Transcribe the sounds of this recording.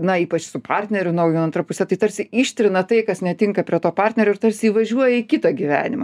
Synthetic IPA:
nɐiːpɐt͡ʃsʊpɑːrʲt̪ʲnʲɛɾʲʊnɐʊjʊɐnt̪ɾɐpʊsʲɛt̪ɐɪt̪ɐɾʲsʲɪiːʃʲt̪ʲɾʲɪnɐt̪ɐɪkɐsnʲɛt̪ʲɪŋkɐpʲɾʲiɛt̪oːpɑːrʲt̪ʲnʲɛɾʲʊːɪɾt̪ɐɾʲsʲɪiʋɐʒʲuɔjɛɪkʲɪt̪ɐɡʲiʋʲæ̰ːnʲɪmɐ

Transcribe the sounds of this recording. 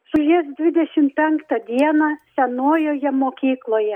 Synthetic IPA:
sʊʒʲeːsd̪ʲʋʲɪd̪ʲɛʃʲɪmpʲɛŋkt̪ɐd̪ʲiɛnɑsʲɛnoːjoːjɛmoːkʲiːklˠoːjɛ

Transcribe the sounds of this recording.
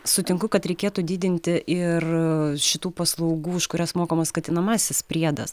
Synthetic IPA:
sʊt̪ʲɪŋkʊkɐt̪ɾʲɛɪkʲeːt̪uːd̪ʲiːd̪ʲɪnʲt̪ʲɪʔɪrʃʲɪt̪uːpɐslˠɐʊɡuːɪʃkʊɾʲɛsmoːkoːmɐskɐt̪ʲɪnɐmɑːsʲɪspʲɾʲiɛd̪ɐ̰s

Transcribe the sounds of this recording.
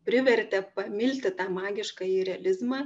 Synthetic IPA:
pʲɾʲɪʋʲɛɾʲt̪ʲɛpɐmʲɪlʲt̪ʲɪt̪ɑːmɑːɡʲɪʃkɑːiːɾʲɛɐlʲɪzmɑː

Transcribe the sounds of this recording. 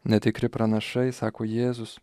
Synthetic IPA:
nʲɛt̪ʲɪkɾʲɪpɾɐnɐʃɐɪsɑːkoːjeːzʊs

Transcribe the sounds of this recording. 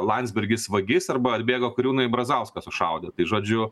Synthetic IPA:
lˠɐnʲzʲbʲɪɾʲɡʲɪsʋɐɡʲɪsɐrbɐɐd̪ʲbʲeːɡoːkɐɾʲuːnɐɪbɾɐzɐʊskɐsʊʃɐʊd̪ʲɛːt̪ɐɪʒoːd͡ʒʲʊ

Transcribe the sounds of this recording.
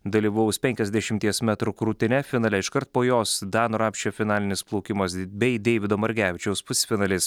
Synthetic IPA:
d̪ɐlʲiːʋoːʊspʲɛŋʲkʲɛzʲd̪ʲɛʃʲɪmʲt̪ʲiɛsmʲæt̪ɾʊkɾut̪ʲɪnʲɛfʲɪnɑːlʲɛɪʃkɐɾt̪̚poːjoːsd̪ɑːnoɾɑːpʲʃʲt͡ʃʲofʲɪnɑːlʲɪnʲɪsplˠɔʊkʲɪmɐsbʲɛɪd̪ʲɛɪʋʲɪd̪oːmɐɾʲɡʲæːʋʲɪt͡ʃʲɛʊspʊsʲfʲɪnɐlʲɪs

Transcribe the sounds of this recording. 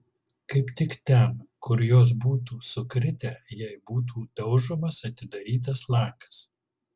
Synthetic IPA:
kɐɪpt̪ʲɪkt̪ʲɛnkʰʊɾjoːs̬buːt̪uːsʊkɾʲɪt̪ʲɛːjɛɪbuːt̪̬ʰuːd̪̥ɒʊʒomɐsɐt̪ʲɪd̪ɐɾʲiːt̪̬ɐslˠɑˑŋkɐ̥s

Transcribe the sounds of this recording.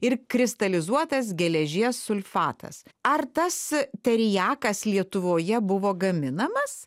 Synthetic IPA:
ɪɾkɾʲɪst̪ɐlʲɪzuɔt̪ɐs̬ɡʲɛlʲɛʒʲiɛsːʊlʲfɑːt̪ɐ̰sɐrt̪ɐst̪ʲɛɾʲɪjæːkɐslʲiɛt̪ʊʋoːjɛbʊʋoːɡɐmʲɪnɐmɐs

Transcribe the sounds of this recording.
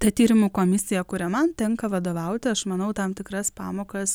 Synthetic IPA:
t̪ɐt̪ʲiːɾʲɪmuːkoːmʲɪsʲɪjɛkʊɾʲɛmɐnt̪ʲɛŋkɐʋɐd̪oːʋɐʊt̪ʲɪɐʃmɐnɐʊt̪ɐmt̪ʲɪkɾɐspɑ̰ːmoːkɐs

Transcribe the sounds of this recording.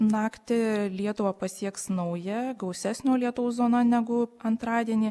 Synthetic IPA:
nɑːkt̪ʲɪlʲiɛt̪ʊʋɐpɐsʲiɛksnɐʊjɛɡɐʊsʲæːsʲnʲoːlʲiɛt̪oʋʊszoːnɐnʲæɡʊɐnt̪ɾɑːd̪ʲiɛnʲiː

